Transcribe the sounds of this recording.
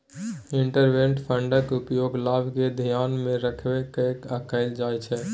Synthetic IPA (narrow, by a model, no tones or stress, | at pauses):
iɳʈəɾbeɳʈpʰəɳɖəkupjoɡlabked̪ʱijanmẽɾəkʰbekekəkəɪld͡ʒajt͡ʃʰɛ